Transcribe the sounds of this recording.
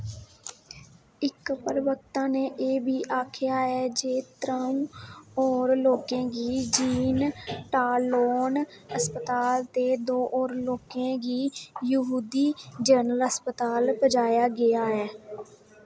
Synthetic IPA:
ɪkpəɾʋəkt̪ãːneːʔeːbʱiːʔaːkʰɪjaːɦɛːd͡ʒeːt̪ɾaũːɔːɾloːkẽːɡiːd͡ʒiːnʈaːloːn | əspət̪aːlt̪eːd̪oːʔɔːɾloːkẽːɡiːjəɦuːd̪iːd͡ʒəɾnələspət̪aːlbəd͡ʒaːjaːɡɪjaːɦɛː

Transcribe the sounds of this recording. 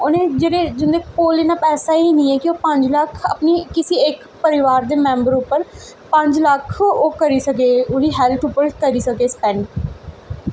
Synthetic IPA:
ʊnẽːd͡ʒeːɽeːd͡ʒɪnd̪eːkoːleːnaːpɛːsaːiːnĩːɛːkɪoːpə̃ɲd͡ʒləkʰəpniːkɪsiːɪk | pəɾɪʋaːɾd̪eːmɛ̃ːmbəɾʊpːəɾ | pə̃ɲd͡ʒləkʰoːkəɾiːsəkeːʊɽiːɦɛlʈ̪ʊpːəɾkəɾiːsəkeːspɛ̃ːn

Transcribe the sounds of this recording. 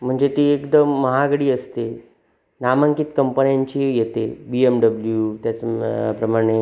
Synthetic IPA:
m̤əɳd͡zet̪eekd̪əmːəɦaɡɽiːəst̪e | namə̃ŋkit̪kəmpəɳjaɲt͡ɕijet̪ebiemɖəbljut̪jat͡spɾəmaɽ̃e

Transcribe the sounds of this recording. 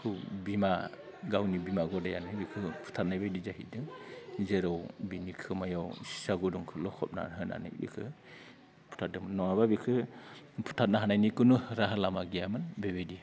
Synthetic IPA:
kʰɯwbima | ɡawnibimaɡɔdajanɯbikʰɯpʰu̥tʰat̚najbajdizaɦḭdɯŋzeɾɔwbinikʰɯmajawsi̥saɡuduŋkʰɯlɔkʰɔp̚na̰ɾɦɯna̰nɯ̰bḭkʰɯ̰ | pʰu̥tʰat̚dɯmɯnnːɔaβabikʰɯpʰu̥tʰat̚naɦanajnikɯnuɾaɦalamaɡijamɯnbebedia

